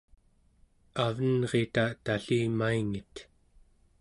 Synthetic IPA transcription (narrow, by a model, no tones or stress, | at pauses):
avənʁe̞t̪at̪aɬiːmaiŋit̪